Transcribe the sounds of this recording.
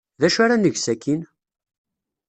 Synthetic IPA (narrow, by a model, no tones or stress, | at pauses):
ðæʃaɾanəʝsækːin